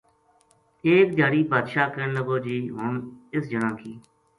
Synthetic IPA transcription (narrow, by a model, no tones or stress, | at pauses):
eːk̚d̪jaːɽiːpaːd̪ʃaːkəənləɡoːd͡ʒiːɦʊnɪsd͡ʒənãːkiː